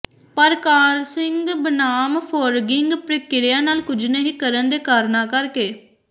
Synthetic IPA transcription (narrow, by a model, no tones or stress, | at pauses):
pəɾkaːɾsɪŋɡbənaːmpʰoːɾɡɪŋɡpɾəkɪɾɪjãːnaːlkʊd͡ʒneːɦiːkəɾənd̪eːkaːɾnãːkəɾkeː